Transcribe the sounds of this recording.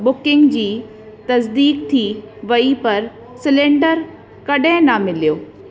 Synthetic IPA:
bʊkɪ̃ŋɡd͡ʑiː | t̪ɐsd̪iːkt̪ʰiʋɐipɐɾ | sɪlẽːɳɖəɾ | kɐɗɪ̃nɐmɪlijoː

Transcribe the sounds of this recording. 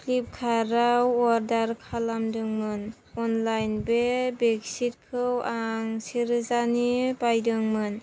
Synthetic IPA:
kʰlip̚kʰaɾawɔɾdaɾkʰalamdɯŋmɯn | ɔnlajnbebeksit̚kʰɯwaŋsiɾɯzanibajdɯŋmɯn

